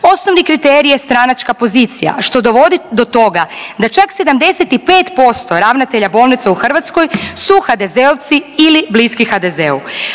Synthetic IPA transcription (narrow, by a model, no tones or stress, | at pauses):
o̞sno̞ʋnikɾit̪eɾijest̪ɾanat͡ʃkapo̞ziːt̪sija̰ʃt̪o̞d̪o̞ʋo̞d̪id̪o̞t̪o̞ɡad̪at͡ʃakse̞d̪amd̪e̞set̪ipe̞ːt̪po̞st̪o̞ɾaʋnat̪e̞ʎabo̞ːlˠnit̪seuxr̩ʋat̪sko̞jsuxad̪e̞zeoʋt̪siilibliskixad̪ezeṵ